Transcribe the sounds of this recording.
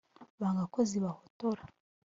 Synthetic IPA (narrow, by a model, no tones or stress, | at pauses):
βaɡakoziβahotoɾa